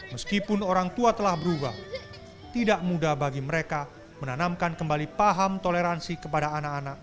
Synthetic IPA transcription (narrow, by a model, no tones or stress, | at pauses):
məskipʊnoɾaŋt̪uat̪əlahbəɾubah | t̪idaʔmudabaɡiməɾeka | mənanamkankəmbalipaɦamt̪oleɾansikəpadaanakanak̚